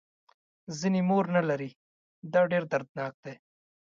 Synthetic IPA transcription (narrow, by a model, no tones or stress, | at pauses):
zinimoːɾnɐlɐɾi | d̪aɖeːɾd̪ɐɾd̪naːk̚d̪eː